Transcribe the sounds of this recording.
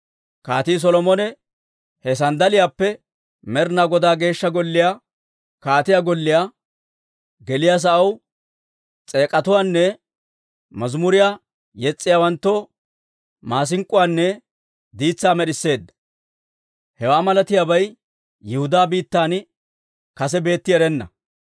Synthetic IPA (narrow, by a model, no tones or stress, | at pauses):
ka̰ːt̪iːs̬ɔlɔmɔnɛ | hɛs̬ɐnd̪ɐlɪjaːpːɛ | mɛɾnaɡɔd̪aːɡe̞ːʃːɐɡɔlːɪjaː | kaːt̪ɪjaːɡɔlːɪjaː | ɡɛlɪjaːs̬ɐʔɐw | t͡sʼe̞ːkʼɐt̪ʊwaːnːɛ | mɐzmʊɾɪjaː | jɛt͡sʼːɪjaːwɐnt̪ːoː | maːs̬ɪŋkʼːʊwaːnːɛ | d̪iːt͡sːaːmɛɗɪsːe̞ːd̪ːɐ̥ | hɛwaːmɐlɐt̪ɪjaːbɐj | jɪhʊd̪aːbiːt̪ːaːn | kɐs̬ɛbe̞ːt̪ːɪɛɾɛnːɐ̰